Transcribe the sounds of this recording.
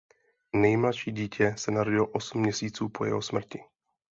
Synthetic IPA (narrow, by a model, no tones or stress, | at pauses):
nɛjmlaʃiːɟiːcʰɛsɛnaɾo̞ɟɪloʔosm̩ːɲɛsiːt͡suːpojɛ̰ɦosmr̩cɪ